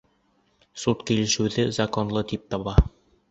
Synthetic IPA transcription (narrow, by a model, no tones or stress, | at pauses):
sut̪kilɘ̆ʃɘwðɘzɐkonlˠɤt̪ip̚t̪ɑβɑ